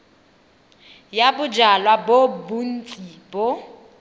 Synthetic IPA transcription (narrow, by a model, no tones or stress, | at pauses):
jabʊd͡ʒalwabobun̩t͡sʼib̥o